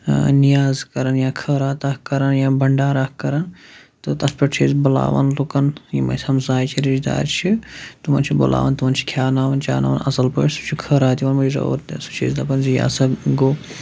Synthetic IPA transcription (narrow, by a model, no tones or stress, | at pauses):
nijaːzkɐɾɐnjaːkʰəːɾaːt̪ɐkkːɐɾɐnjãːbɐɳɖaːɾakkɐɾɐnt̪ɨt̪ɐspɐʈt͡ʃʰiːzbɐla̰ːʋɐnlukɐnjimɐ̰sʲɐmzaːjt͡ʃʰiɾid͡ʒd̪a̰ːɾt͡ʃʰit̪umɐnt͡ʃʰibo̰la̰ːʋɐnt̪umɐnt͡ʃʰi̥kʰjaːnaːʋɐnt͡ʃa̰ːna̰ːʋɐnɐsɐlpəʈsut͡ʃʰikʰəːɾaːt̪iʋɐnmɐizɐ̰ɾt̪su̥t͡ʃʰḭːzd̪ɐpɐnzija̰ːsɐɡoː